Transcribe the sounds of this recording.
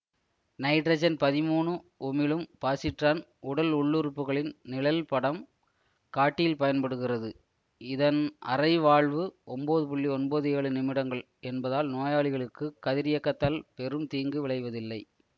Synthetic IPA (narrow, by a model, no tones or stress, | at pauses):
nɐɪʈɾɐd͡ʒɐnpɐðɪmuːɳɯ | ʔʊmɪlɯmpaːsɪʈraːn | ʊɽɐlʊɭːɯɾɯpːɯɣɐɭɪnnɪɭɐlpɐɽɐm | kaːʈːɪjɪlpɐjɐnpɐɽɯɣɪrɐðɯ | ɪðɐnʔɐ̰rɐɪʋaːɭʋɯʔɔmboːðɯp̬ʊɭːiɔnboːðɯjeːɭɯnɪmɪɽɐŋɡɐɭ | ɛnbɐðaːlnoːjaːɭɪɣɐɭɯkːɯkɐðɪɾɪjɐkːɐt̪ːaːlpɛɾɯmt̪iːŋɡɯʋɪɭɐɪʋɐðɪlːɐɪ